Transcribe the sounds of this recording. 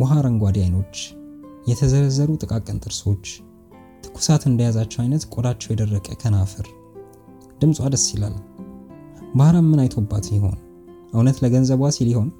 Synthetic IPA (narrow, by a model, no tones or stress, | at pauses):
wɔɦaɾanɡʷad̪jajno̞t͡ʃːjɛt̪ʰəzəɾəzəɾut̪ʼɨkʼakʼənt̪ʼɨɾso̞t͡ʃː | t̪ʰɨ̥kʰːu̥sat̪ɨnd̪əjazat͡ʃːɛwajnət̪kʼod̪at͡ʃːɛwjɛd̪ərːəkʼə̰kʰənafɨɾ | d̪̥ɨmsʼwad̪əsila̰l | bahɾammɨnajt̪ʰo̞bːat̪njɪho̞̰n | ʔawnət̪ləɡənzəβasiliho̞n